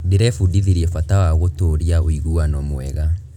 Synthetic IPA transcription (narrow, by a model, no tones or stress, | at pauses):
deɾɛfudiðiɾiɛfatawaɣotoɾiaoiɣuwanɔmoɛ̰ɣa